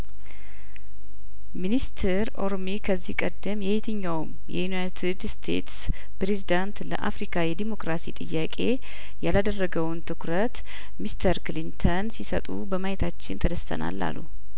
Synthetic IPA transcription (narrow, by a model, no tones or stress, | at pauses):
minist̪ʰɛɾo̞ɾomikʰəzːihkʼəd̪ːəmjɛhet̪ʰɨɲːawm | jɛ̰junajt̪ʰɨd̪st̪ʰe̞̰t̪s | pɾe̞zid̪ant̪lə̰ʔafɾikʰajɛd̪imo̞kɾasḭt̪ʼɨjːakʼe̞ | jalad̪ərːəɡəwnt̪ʰɨkɾət̪ | mist̪ʰəɾklint̪ʰənsisə̰t̪ʼṵbəmajɛt̪ʰat͡ʃːɪnt̪ʰəd̪əst̪ʰə̰na̰lːa̰lːṵ